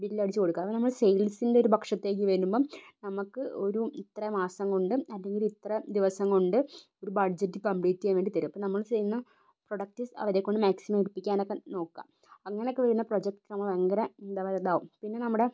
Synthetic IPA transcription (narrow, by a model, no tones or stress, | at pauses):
biʈːilɐɽit͡ɕːɨko̞ɽukːaːɐponɐmːɐɭsejlsinde̞oɾubɐkʂɐt̪ːe̞ːk̬ːɨʋɐɾnumbo̞ːnɐmukːɨo̞ɾuit̪rɐmaːsɐŋːɡɐɭuɳɖɨɐlːeŋɡilit̪rɐd̪iʋɐsɐŋːɐɭuɳɖɨo̞ɾubɐɖd͡ʑɐtːɨkɐmpɭiːtːijajʋe̞ːɳɖit̪ɐɾuɐpːonɐmːɐɭsejunːɐ | pro̞ɽɐk̚tːɨsɐ̰ʋɐɾekːo̞ɳɖɨmaːksimɐmirpːikʲːaːno̞kːeno̞ːkːa̰ːm | ɐŋːɐneokːeʋɐɾunːɐpro̞d͡ʑek̚ʈːnɐmːɐɭɐŋɡɐɾɐend̪aːʋɐɾɐðaːʋumpinːe̞nɐmːuɽe̞